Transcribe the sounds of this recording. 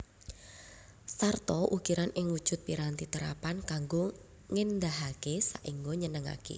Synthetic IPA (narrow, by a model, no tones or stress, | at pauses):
sart̪ɔʔukiɾanʔɪŋwud̥ʒ̥ʊ̤t̪̚piɾant̪it̪əɾa̰pankaŋɡo | ŋɪnd̪aɦakesaʔiŋɡoɲənəŋa̰kḛ